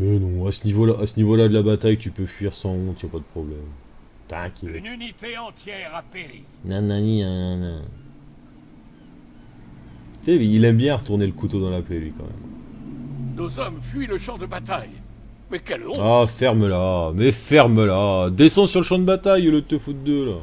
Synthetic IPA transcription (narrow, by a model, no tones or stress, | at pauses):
mɛnɔ̃asənivolaʔasənivolad̪əlabat̪ajt̪ypøfɥiʁsɑ̃ɔ̃t̪ijapad̪əpχɔblɛm | t̪aɛ̃kʲɛnynit̪eɑ̃t̪jɛʁapeʁi | nɔ̃nɔ̃nĩnɔ̃nɔ̰̃ | eilɛmbjɛ̃aʁət̪uʁneləkut̪od̪ɑ̃laplelɥikɑ̰̃mɛ̰m | nozɔmfɥiləʃɑ̃d̪əbat̪aj | mɛkɛlɔ̃afɛʁməlamɛfɛʁməlad̪esɑ̃syʁləʃɑ̃d̪əbat̪ajlət̪øfut̪̚d̪øla